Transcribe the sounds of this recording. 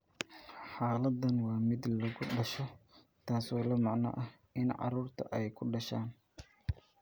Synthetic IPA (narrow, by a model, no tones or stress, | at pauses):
ħaːlɐd̪ɐnwɑːmɪd̪lɐɣʊɖɐʃɔ | t̪ʰaːsɔːlɐmɑʕnɐ̰ʔɐh | ɪnʕɑ̰ɾuːrt̪ʰɐ̰ʔɛjkʰʊɖɐʃaːn